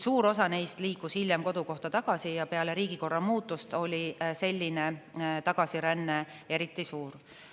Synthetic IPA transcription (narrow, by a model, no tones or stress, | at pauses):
suːɾo̞sɑnejst̪liːkushilʲjemko̞d̪̥uko̞ht̪ɑt̪ɑɡ̥ɑsijɑpe̞ɑleɾiːɡ̥iko̞rːɑmuːt̪ːˑust̪o̞lʲise̞lʲːinet̪ɑɡ̥ɑsiɾænːe̞ | e̞ɾit̪ːˑisuːɾ